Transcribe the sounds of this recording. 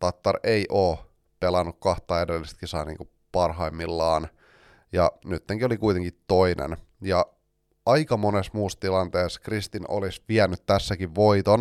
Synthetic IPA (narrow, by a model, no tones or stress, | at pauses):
t̪ɑt̪ːɑreiʔoː | pelɑnːukkɑht̪ɑːedelːist̪kisɑːnḭːŋku | pɑrɦɑimːilːɑːn | jɑnyt̪ːeŋkiolikuijt̪eŋkit̪t̪oinḛnjɑ | ɑikɑmonesmuːst̪ilɑnt̪eːskrist̪inʔo̰lisʋiænyt̪t̪æsːækiʋʋoit̪on